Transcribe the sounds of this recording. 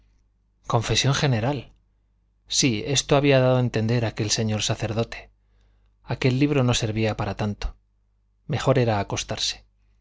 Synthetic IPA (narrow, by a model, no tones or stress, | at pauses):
kõ̞ɱfe̞sjo̞ŋxe̞neɾal | sie̞st̪oaβiaðaðoe̞nt̪e̞nd̪e̞ɾake̞lse̞ɲo̞ɾsaθe̞ɾðo̞t̪e̞̥ | ake̞lːiβ̞ɾo̞no̞se̞ɾβiapaɾat̪ant̪o̥ | me̞xo̞ɾe̞ɾaːko̞st̪aɾse̥